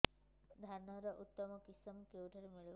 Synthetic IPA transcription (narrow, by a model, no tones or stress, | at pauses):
d̪ʱaɾnɔɾɔʔut̪ːɔmɔkisɔmkewʈʰaɾemiɭi